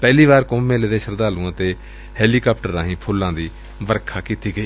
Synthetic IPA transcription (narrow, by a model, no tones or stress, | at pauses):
pɛːliːβaːɾkõmẽːleːd̪ẽːʃəɾd̪aːlũːt̪eː | hɛːliːkaːp̚ʈəɾãːɦĩːpʰʊlãːd̪iː | ʋəɾkʰaːkiːt̪iːɡəiː